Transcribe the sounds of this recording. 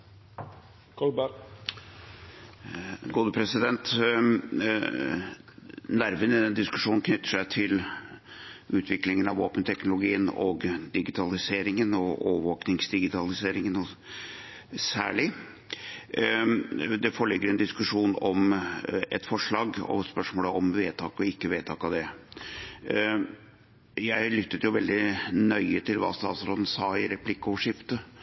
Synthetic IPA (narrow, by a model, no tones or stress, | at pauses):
kb | ɡuːd̪əpʰɾɛsɪd̪ɛnt̪ | næɾʋənɪd̪ɛnd̪ɪskʉʂuːnkʰnʏt̪ːə̥ʂæɪt̪ʰɪl | ʔʉːt̪ʰʋɪklɪŋənɑʋoːpənt̪ʰɛknʊlʊɡiːənɔ̰ɡd̪ɪɡɪt̪ʰɑlɪseːɾɪŋənɔo̰ːəʋoːknɪŋsd̪ɪɡɪt̪ʰɑlɪseːɾɪŋənɔ | sæ̰ːɭɪ | d̪ɛfɔːɭɪɡːəɾɛnd̪ɪskʉʂuːnɔm | ɛ̰t̪fɔʂɭɑːɡɔ̰spœʂmoːləɔmʋeːt̪ʰɑːkɔɪkːəʋeːt̪ʰɑːkɑʋd̪ɛ | jæɪlʏt̪ːət̪jʊʋɛld̪ɪnœʏət̪ʰɪlʋɑ̰st̪ɑ̰ːt̪sɾoːd̪ən̩sɑːɪɾɛpʰlɪkːɔʋəʂɪft̪ə